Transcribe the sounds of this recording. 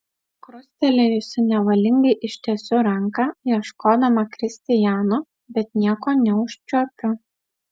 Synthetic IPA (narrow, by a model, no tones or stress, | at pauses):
kɾʊsʲt̪ʲɛlʲejɪsʊnʲɛʋɐlʲɪŋɡɐɪʔɪʃʲt̪ʲiɛsʲʊɾɐŋkɐjiɛʃkoːd̪ɐmɐkɾʲɪsʲt̪ʲɪjæːno | bʲɛt̪nʲiɛkoːnʲɛʊʃʲt͡ʃʲuɔpʲʊ